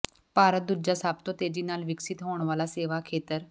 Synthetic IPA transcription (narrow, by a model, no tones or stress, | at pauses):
paɾət̪̚d̪uɾd͡ʑasap̚t̪ot̪ed͡ʑinalʋiksit̪ɦoɳʋalaseʋakʰet̪əɾ